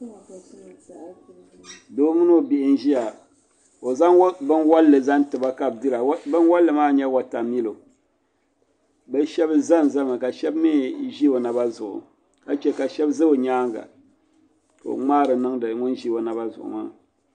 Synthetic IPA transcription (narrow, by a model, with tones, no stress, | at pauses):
doː˦mɨ˦no˦˨bi˨ʔɪ˨n˦ʒi˦ja˨ | o˨za˦ŋ˦bɨ˦nwa˦lːɨ˨za˦n˦tɨ˨ba˦ka˨b̚dɨ˦la˨˦bɨ˦nwa˦lːɨ˨maː˦˨ɲɛ˦wa˨ta˨mi˦lo˨ | bɨ˦ʃɛ˦bɨ˦za˦n˨za˦ma˨ka˨ʃɛ˦bmi˦ʒi˦o˨na˨ba˦zʊ˨ʔʊ̰˨ | ka˦t͡ʃɛ˨ka˨ʃɛ˦bzɨ˦o˨ɲaː˦ŋɡa̰˨ | ko̰˨ŋ͡maː˦ɾɨ˨nɨ˦ŋdɨ˨ŋʊ˦nʒi˦o˨na˨ba˦zʊ̰˨ʔʊ̰˨ma˦